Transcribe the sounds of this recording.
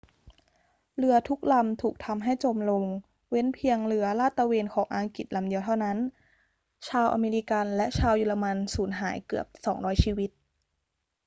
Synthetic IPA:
lɯ˧ɐt̪ʰu˦˥k̚la˧mt̪ʰuː˨˩k̚t̪ʰa˧mɦa˥˩jt͡ɕo˧mlo˧ŋ | we˦˥npʰi˧əŋlɯ˩˦ɐlaː˥˩t̪ːa˧weː˧nkʰɔː˩˦ŋʔaː˧ŋki˨˩t̪̚la˧mdi˧əwt̪ʰa˥˩wna˦˥n | t͡ɕʰaː˧wʔa̰ː˧meː˧ɾi˦˧ka˧nlɛ˦˥ʔt͡ɕʰaː˧wjuː˧˩la˧ma˧nsuː˩˦nɦa̰ː˩˦jkɯ˨˩əp̚sɔː˩˦ŋɾɔː˦˥jt͡ɕʰiː˧wi˦˥t̪̚

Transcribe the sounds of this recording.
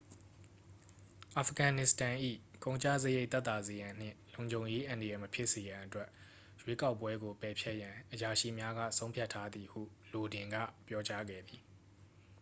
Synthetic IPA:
ʔa˨fɡã˨nɪ˨stã˨ʔḭ˦˨kõ˦ʊ̃ɲt͡ɕä̰˦˨zəje˦ɪt̪ɛ˦t̪a˨ze˨jã˨n̥ɪ̰̃˦˨lõ˨ʊ̃ɲd͡ʑʱõ˨ʊ̃je˦ʔã˨ndə˨jɛ˨məpʰjɪ˦ʔse˨jã˨ʔətwɛ˦ʔ | jwe˦ka˦ʊpːwɛ˦ɡo˨pɛ˨pʰjɛ˦ʔjã˨ʔəja˨ʃḭ˦˨mja˦ɡä̰˦˨sʰõ˦ʊ̃pʰja˦˨tʰːa˦d̪i˨hṵ˦˨lo˨dɪ̃˨ŋɡä̰˦˨pjɔ˦t͡ɕa˦ɡɛ̰˦˨d̪i˨

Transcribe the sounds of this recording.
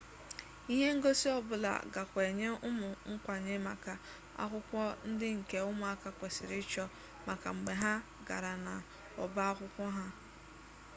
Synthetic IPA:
i˦ɦe˦ŋ̩˦ɡo˦si˦ɔ˦bʊ˨la̰˨ɡa̰˨kʷe˨ɲe˦ʊ˦mʊ˨ŋ̩˦kʷa˨ɲe˦ma˨ka˨ | a̰˦kʷʊ˦kʷɔ˦n̩˦dɪ˦ŋ̩˨ke˨ʊ˦mʊ˨a˦ka˦kʷe˨sɪ˨ɾɪ˦t͡ʃɔ˦ | ma˨ka˨ŋ͡m̩˨ɡ͡be˨ɦa˦ | ɡa̰˨ɾa˨na˨ | ɔ̰˨ba˦a˦kʷʊ˦kʷɔ˦ɦa˦

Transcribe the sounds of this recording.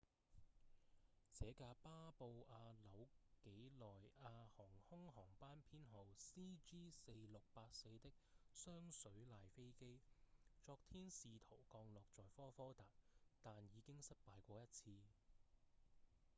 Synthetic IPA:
t͡sɛː˨˥kaː˧paː˥po˧waː˧lɐ˨˥wke˨˥jlɔː˨jaː˧hɔː˨˩ŋhʊ˥ŋɦɔː˨˩ŋpaː˥npʰiː˥nɦo˨˩wsiː˥t͡ʃiː˥se˧jlʊ˨k̚paː˧t̚se˧jt̪ɪ˥k̚sœː˥ŋsɵ˨˥ɥlaː˧jfe˥jke˥jt͡sɔː˧k̚t̪ʰiː˥nsiː˨t̪ʰo˨˩wkɔː˧ŋlɔː˨˩k̚t͡sɔː˨jfɔː˥fɔː˥t̪aː˨˩t̚t̪aː˨njiː˨˧kɪ˥ŋsɐ˥t̚paː˨˧jkʷɔː˧jɐ˥t̚t͡sʰiː˧

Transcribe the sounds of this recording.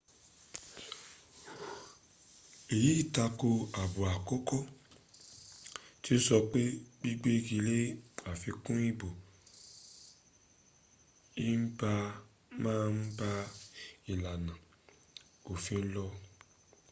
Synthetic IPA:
e˨ji˨˦i˦˨ta˧ko˧a˨bu˨a˨kɔ˦kɔ˦˨ | ti˦n̩˦sɔ˧k͡pe˦bi˦ɡ͡be˦ɡi˧le˦a˨fi˧kũ˦i˦˨bo˨ | i˦n̩˦ba˧ | mãː˦˧n̩˦ba˧i˨la˨nã˨ | o˨fĩ˧n̩˦lɔ˧

